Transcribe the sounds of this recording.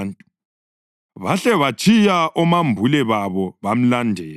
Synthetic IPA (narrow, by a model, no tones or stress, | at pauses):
ntʼu | βaɬɛβat͡ʃʰʼijaʔɔmambʱulɛβaβɔβam̩landʱɛːl